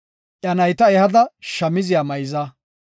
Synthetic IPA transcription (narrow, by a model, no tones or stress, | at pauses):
ʔɐnɐjt̪ɐɛhɐd̪ɐʃɐmɪzɪjaːmɐjzɐ